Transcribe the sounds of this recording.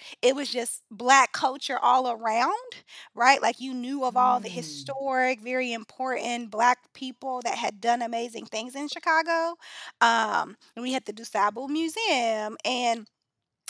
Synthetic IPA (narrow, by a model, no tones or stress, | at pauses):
ɪt̚wʌzd͡ʒʌsb̥lækʰʌlˠt͡ʃə˞ʔɔlˠə˞ãʊ̃nd̥ɹaɪʔlʔa̰ɪkjɨnjʉʌvɔlˠðɨɨstɔɹɪkvɛɹiɨ̃mpʰɔɹʔn̩b̥læk̚pʰipl̩ˠðɨ̰t̚ɦɨdʌ̃nɨmeɪzɪ̰̃ŋθɪ̃ŋzɨ̃nʃɨkʰɑɡoʊʔʌ̃m̃ | nwihɨd̚tɨdɨsæbl̩ˠmjʉziɨ̃mɨ̃n